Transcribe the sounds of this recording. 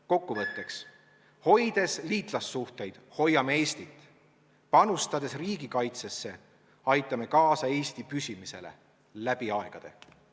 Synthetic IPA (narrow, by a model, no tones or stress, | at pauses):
ko̞kːuvɤt̪ːe̞ks | ho̞jd̪̥e̞sliːt̪ˑlɑsːuht̪e̞jd̪̥ho̞jːɑmee̞ːsʲt̪it̪ːˑ | pɑnust̪ɑd̪̥e̞sriːɡ̥ikɑjt̪se̞sːe̞ | ɑjt̪ːˑɑme̞kɑːsɑe̞ːst̪ipysʲimise̞̰le̞̰ | læb̥iɑe̞ɡ̥ɑd̪̥e̞̰